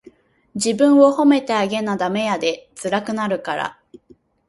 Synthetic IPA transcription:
d͡ʑibɯ̟̃ɰ̃o̞ho̞me̞t̪e̞aɡe̞nad̪ame̞jad̪e̞t͡sɨɾakɯ̟naɾɯ̟kaɾa̰

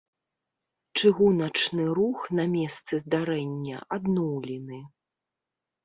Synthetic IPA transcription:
t͡ʂɨɣunɐt͡ʂnɨɾuxnamʲɛst̪sɨzd̪aɾɛnʲːɐ̰ʔad̪nɔwlʲinɨ

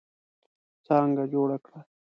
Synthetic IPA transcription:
t͡sɑŋɡad͡ʒoɽakɽa

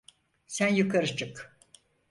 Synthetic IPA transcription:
sænjɯkʰaɾɯt͡ʃʰɯk

